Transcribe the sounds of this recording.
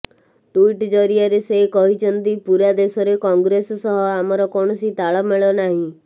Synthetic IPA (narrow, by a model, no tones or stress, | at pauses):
ʈuiʈd͡ʒɔɾiaɾesekɔɦit͡ʃʰɔnt̪ipuɾad̪esɔɾekɔŋɡɾessɔɦɔamɔɾɔkɔɽ̃ɔsit̪aɭɔmeɭɔnaɦĩ